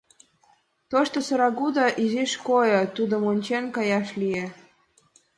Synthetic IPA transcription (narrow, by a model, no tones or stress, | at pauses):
t̪oʃt̪osɤ̆ɾɑɡud̪ɑʔiziʃkojɤt̪ud̪omonʲt͡ɕenkɑjɑʃlije